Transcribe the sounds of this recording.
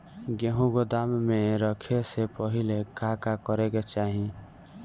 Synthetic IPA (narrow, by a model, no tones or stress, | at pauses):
ɡeɦũɡod̪amːeɾəkʰesepɔɦilekakakɔɾeket͡ʃaɦĩ